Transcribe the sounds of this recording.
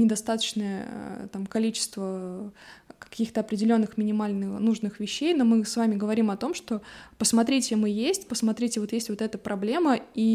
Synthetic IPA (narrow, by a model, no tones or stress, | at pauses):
nʲɪd̪ɐst̪at̪ə̥t͡ɕnəjə̰t̪amkɐlʲit͡ɕɪ̥st̪və | kɐ̥kʲixt̪əɐpɾʲɪdʲɪlʲo̞nːɨxmʲɪnʲɪmalʲnɨxnuʐnɨxvʲɪɕːejno̞mɨsvamʲɪɡəvɐɾʲimɐt̪o̞mʂt̪o̞pəsmɐt̪ɾʲitʲɪmɨjesʲtʲpəsmɐt̪ɾʲitʲɪvo̞t̪jesʲtʲvo̞t̪ɛt̪əpɾʔɐblʲe̞məi